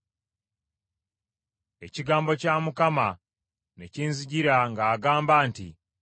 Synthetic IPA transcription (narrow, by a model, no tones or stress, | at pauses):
e̞ciɡaːmbo̞camukama | neciːnziɟiɾaŋɡaːɡaːmbaːntḭ